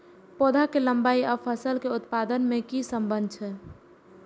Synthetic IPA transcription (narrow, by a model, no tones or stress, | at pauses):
pod̪ʱakeləmbaiapʰəsəlkeut̪pad̪ənmẽkisəmbənd̪̚ʱt͡ʃʰɛ